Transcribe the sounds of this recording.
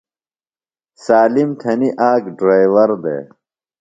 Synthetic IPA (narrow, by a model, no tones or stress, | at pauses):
saːlimt̪ʰɐniʔaːkɖɾaːjʋɐɾd̪ḛː